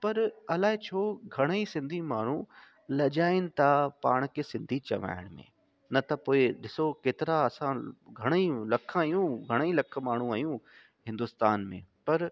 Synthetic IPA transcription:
pɐɾɐlaːɦet͡ɕʰoːɡʱɐɽ̃isɪ̃nd̪ʱimaːɳ̤ũ | lɐd͡ʑaːɪnɪ̆t̪ʰapaːɽ̃kʰeːsɪ̃nd̪ʱit͡ɕɐ̰ʋa̰ːɪɽ̃mḛ̃ | nɐt̪ɐpoːɪɗɪsokeːt̪ɪɾaɐsãɡʱɐɽ̃ilɐkʰaːjũɡʱɐɽ̃ilɐk̆ʰmaːɳ̤ũajũ | ɦɪ̃nd̪ʊst̪aːnmḛ̃pɐɾ

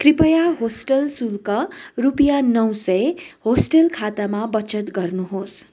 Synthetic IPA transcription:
kripʌjaɦosʈʌlsulkʌrupjanʌwsʌjehosʈʌlkʰat̪amabʌt͡sʌt̪ɡʌrnuɦos

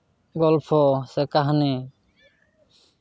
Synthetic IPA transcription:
ɡɔlpʰɔsɛkaɦni

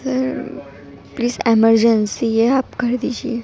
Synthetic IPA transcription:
səɾ | pliːzeməɾd͡ʒənsieaːpkəɾd̪id͡ʒʰie

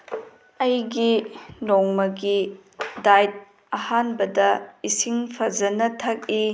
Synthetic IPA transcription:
ɐjɡilɔŋmɐɡidajt̚ | ɐhanbɐdɐisiŋpʰɐzɐnɐtʰɐk̚i

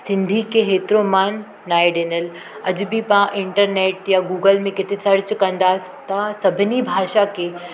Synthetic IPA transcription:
sɪ̃nd̪ʱikeɦeːt̪ɾomaːnː | aːeɖeːnəl | ɐd͡ʑbipãʔɪ̃ɳʈəɾneːʈjaɡuːɡəlmẽkɪt̪esɐɾt͡ɕkɐ̃nd̪aːs | t̪asɐbʱɪnibʱaːʃakeː

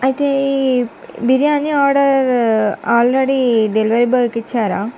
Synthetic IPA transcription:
ɐt̪e | biɾijaːniaːɾɽɐɾaːlɾaɽiɖɛlʋɐɾibɐkːɪt͡ʃːaːɾa̰ː

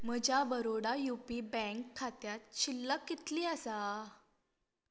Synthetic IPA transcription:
məd͡ʑabəɾoɽajupibɛ̃ŋkʰːat̪jat̪̚t͡ɕilːəkːit̪liːəsa

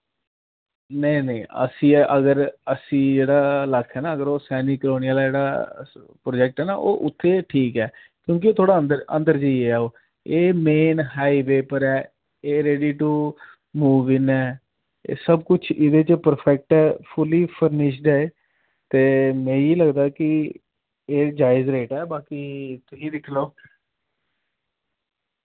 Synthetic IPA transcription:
neineĩːə̰sĩːʔəɡəɾəsĩːd͡ʒeːɽaːlakʰːɛːnaːəɡəɾoːsɛːniːkloːnijəːlaːd͡ʒeːɽa̰ː | pɾoːd͡ʒɛk̚ʈɛːna̰ːʔo̰ːʔʊt̪ʰːeːʈʰiːkɛː | kjõːk̬ioːt̪ʰoːɽaːənd̪əɾə̰̃nd̪əɾd͡ʒəieɛːoː | eːmeːnɦaːiʋeːpəɾɛː | eːɾeːɖiːʈu | muːʋɪnɛ̰ː | səbkʊt͡ʃʰɪd̪eːt͡ʃpəɾpʰɛk̚ʈɛːpʰʊliːpʰəɾnɪʃ̬d̪ɛːeː | t̪eːmɛ̃ːiːləɡd̪aːkɪ | eːd͡ʒaːɪzɾeːʈɛːbaːkiːt̪ʊsĩːd̪ɪkʰloː

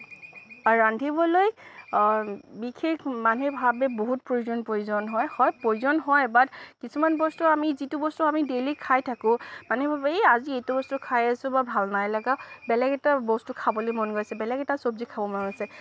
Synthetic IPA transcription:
aɹandʱibɔloj | bikʰekʰmanebʱabɛboɦut̚pɹojuzɔnpɹojuzɔnɦɔjhɔjpɹojzɔnɦɔjbatkisumanbɔstuamizitubɔstuamidelikʰajtʰakʊ̃manebʱabeaziejtubɔstʊkʰajasʊ̃babʱalnajlaɡabɛlɛɡɛtabɔstʊkʰabolojmɔnɡojsɛbɛlɛɡɛtasobzikʰabɔmɔnɡɔjsɛ

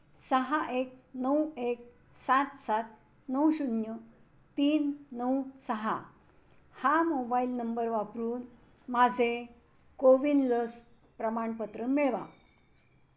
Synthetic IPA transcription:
səɦaʔek̚nəwek̚ | sat̪sat̪̚ | nəwɕunjə | t̪iːnːəwsəɦa̰ | hamobailnəmbəɾʋapɾuːn | mad͡zʱe | koʋinləs | pɾəmaɳpət̪ɾəmeɭʋa̰

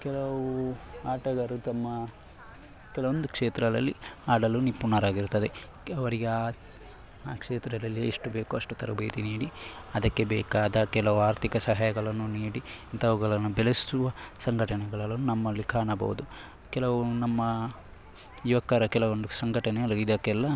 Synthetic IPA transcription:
kɛlɐʋuaːʈɐɡɐɾut̪ɐmːɐ | kɛlɐʋond̪ukʂeːt̪ɾɐlɐlːḭaːɽɐlunipːunːɐɾaːɡiɾut̪ːɐd̪e | ɐʋɐɾiɡeaː | kʂeːt̪ɾɐd̪ɐlːieʂʈube̞ːkuɐʂʈut̪ɐɾɐbeːt̪iniːɽiɐd̪ɐkːe̞bɛːkaːd̪ɐkɛlɐʋuaːɾt̪ʰikɐsɐɦaːjɐɡɐɭɐnːuniːɽiint̪ɐʋɐɡɐɭɐnːubɛlesisuʋɐsɐŋɡʱɐʈɐnɛɡɐɭɐlɐnːunɐmːɐlikʰaːɐɳɐbɐ̰ʋud̪u | kɛlɐʋunɐmːɐ | uʋɐkːɐɾɐkɛlɐʋond̪usɐŋɡʱɐʈɐnɛɐlid̪ɐkːɛlːɐ

